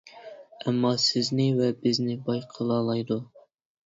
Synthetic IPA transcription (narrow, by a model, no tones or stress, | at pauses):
ɛmːɑsɪznɪvɛbɪznɪbɑjqʰəlˠɑːlˠɑjd̪u